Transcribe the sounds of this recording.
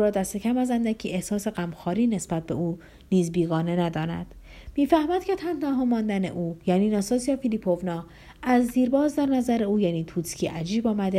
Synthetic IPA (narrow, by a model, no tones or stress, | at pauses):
uːɾɒːd̪æst̪e̞cʰæmæzænd̪æcʰiːʔehsɒːse̞ɣæmxɒːɾiːne̞sb̥æt̪̚b̥e̞̰uː | niːzbiːɣɒːne̞næd̪ɒːnæ̰d̪̥ | miːfæhmæd̪cʰet̪ʰænt̪ɒɦɒːmɒːnd̪ænḛʔuːjæːniːnɒːsɒːsijɒːfiliːpʰovnɒː | æzːiːɾbɒːzd̪æɾnæzæɾeuːjæniːt̪ʰuːt̪ʰcʰiːʔæd͡ʒiːbɒːmæd̪e